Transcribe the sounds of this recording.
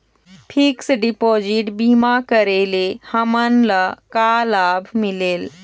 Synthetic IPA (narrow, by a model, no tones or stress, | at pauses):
pʰiksɖipod͡ʒiʈbimakəɾelehəmənləkalabʱmileːl